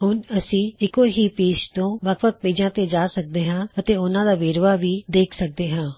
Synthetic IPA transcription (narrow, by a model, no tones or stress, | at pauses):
ɦʊnəsĩːɪkoːɦiːpeːst̪õːʋəkʰʋək̚peːd͡ʒãːt̪eːd͡ʒaːsək̚d̪eːɦãːət̪eːʊnãːd̪aːʋeːɾʋaːʋiːd̪eːkʰsək̚d̪eːɦãː